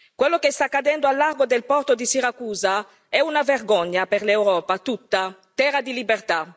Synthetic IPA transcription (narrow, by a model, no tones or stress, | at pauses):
kwɛlːokest̪akːad̪ɛnd̪oalːarɡod̪elpɔrt̪od̪isiɾakuːza | ɛunaverɡɔɲːapeɾlewɾɔːpat̪ut̪ːat̪ɛɾad̪ilibert̪a